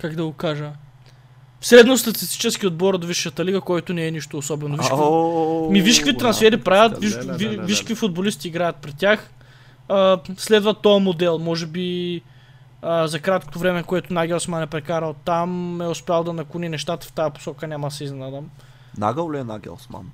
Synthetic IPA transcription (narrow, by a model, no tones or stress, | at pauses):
kaɡd̪ɐɡokaʒə | fsɾɛd̪nost̪ɐt̪i̥st̪i̥t͡ʃɛskiod̪̚bɔɾod̪viʃːət̪ɐliɡɐkɔjt̪onɛɛniʃt̪oːsɔbɛnoviʃkmiviʃkvit̪ɾɐnsfɛɾipɾavʲjət̪viʃviviʃkvifʊd̪̚bolist̪iːɡɾajət̪̚pɾɛt̪t̪ʲːjax | əslɛd̪vɐt̪ɔjɐmod̪ɛlˠmɔʒɛbi | əzɐkɾat̪̚ko̥t̪ovɾɛmɛkoɛt̪ʊnaɡʲɛlˠsmanɛpɾɛkaɾəlˠt̪amɛospʲjalˠd̪ɐnɐkuninɛʃt̪at̪ə̥ft̪ajɐpo̥sɔkənʲamɐd̪ɐsɛizɛnad̪ɐm | na̰ɡəlˠliɛna̰ɡʲɛ̰lˠsma̰n